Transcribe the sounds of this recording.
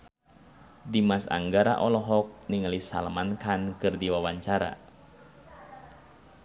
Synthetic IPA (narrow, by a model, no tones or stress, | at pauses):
dimasa̰ŋɡaɾa̰ʔɔlɔɦɔk̚niŋalisa̰lmankankɨrdiwawaɲt͡ʃaɾa̰